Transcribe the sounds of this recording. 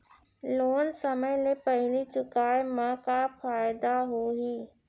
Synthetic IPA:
loːnsəməjlepəɦɪlit͡ʃʊkaːjemãkafʰaːjd̪aɦoːɦiː

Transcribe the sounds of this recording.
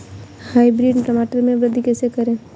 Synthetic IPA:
haːibɾiɖʈɾəmaːʈəɾmẽʋɾəd̪ʱikɛːsekɐɾẽː

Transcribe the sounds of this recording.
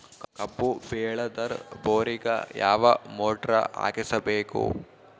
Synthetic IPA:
kɐbːuʋeːɭɐd̪ɐɾboːɾiɡɐ̰jaːʋɐmoːʈɾɐ̰ʔa̰ːɡisɐbeːkṵ

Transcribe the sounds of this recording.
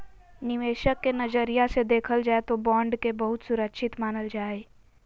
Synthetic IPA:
nɪʋeːʃəkːenɐd͡ʒəɾijased̪eːkʰəld͡ʒaːet̪obɔ̃ːɳɖkebɐɦʊt̪sʊɾəkʃɪt̪maːnəld͡ʒaːe

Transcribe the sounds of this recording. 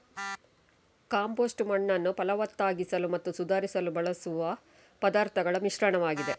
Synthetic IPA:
kaːmpoːsʈmɐɳːɐnːupɐlɐʋɐt̪ːaːɡisɐlumɐt̪ːusud̪aːɾisɐlubɐɭɐsuʋɐ | pɐd̪aːɾt̪ʰɐɡɐɭɐmiʃɾɐɳɐʋaːɡid̪e̞

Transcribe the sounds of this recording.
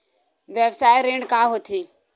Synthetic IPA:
ʋebsaːjɾẽːɳɖkaːɦoːt̪ʰiː

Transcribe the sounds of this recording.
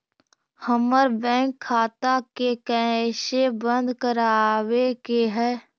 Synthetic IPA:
həməɾbɛ̃ːŋkʰːaːt̪akekɛʃebə̃nd̪kəɾaːwekeɦɛː

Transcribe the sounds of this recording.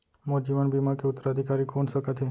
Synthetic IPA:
mɔd͡ʒiʋanbimãkeʊt̪ːəɾaəd̪ʱikaɾikonʃəkat̪ʰe

